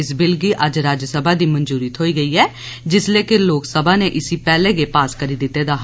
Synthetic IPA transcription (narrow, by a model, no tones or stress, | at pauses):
ɪsbɪlɡiːʔəd͡ʒɾaːd͡ʒəsəbʱaːd̪iːmənd͡ʒuːɾiːt̪ɦoːiːɡəiːɦɛː | d͡ʒɪsleːkɪloːksəbʱaːneʔɪsiːpɛːleːɡepaːskəɾiːd̪ɪt̪ːeːd̪aːɦ